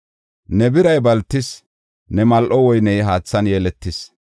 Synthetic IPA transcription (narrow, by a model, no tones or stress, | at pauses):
nɛbɪɾɐjbɐlt̪ːɪs | nɛmɐlʔɔwɔjnɛjɦaːt͡sːɐnjeːlɛt̪ːɪs